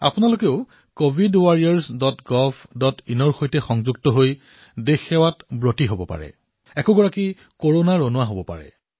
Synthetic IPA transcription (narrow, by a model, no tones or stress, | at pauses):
a̰pʊnalokeʊ | kobʱidwaɹijaɹsdɔtɡɔpdɔtinɔɹxojtɛxɔŋzuɡtɔɦoj | dexɛwatbɹotiɦobɔpa̰ɹɛ̰ | ɛkɔɡɔɹaki | koɹonaɹonʊaɦobɔpa̰ɹɛ̰